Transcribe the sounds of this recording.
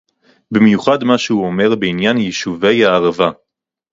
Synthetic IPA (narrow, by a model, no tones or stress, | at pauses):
bimjuχadmaʃehuome̞ʁbeinjanjiʃuve̞jhaːʁava